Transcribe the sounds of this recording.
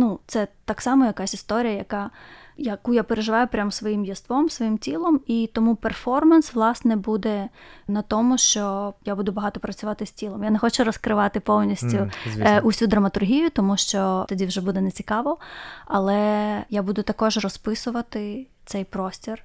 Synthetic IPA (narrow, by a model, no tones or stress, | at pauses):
nut̪sɛt̪ɑksɑmɔjɐkɑsʲist̪ɔɾʲijɐjɐkɑ | jɐkujapeɾeʒɪʋɑjʊpɾʲamsʋɔjimjɐst̪ʋɔmsʋɔjimtʲilˠɔmit̪ɔmupɛrfɔrmɐnsʋlˠɑsnɛbud̪ɛnɐt̪ɔmʊʃt͡ʃɔjabud̪ʊbɐɦɑt̪ɔpɾɐt͡sʲʊʋɑt̪ɪsʲtʲilˠɔmjanɛxɔt͡ʃʊɾɔskɾɪʋɑt̪ɪpɔwnʲisʲtʲʊʊsʲud̪ɾɐmɐt̪ʊrɦʲijʊt̪ɔmuʃt͡ʃɔt̪ɐdʲiwʒɛbud̪ɛnɛt͡sʲi̥kɑʋɔɐlˠɛjabud̪ʊt̪ɐkɔʒrɔspɪsʊʋɐt̪ɪt̪sɛjpɾɔsʲtʲir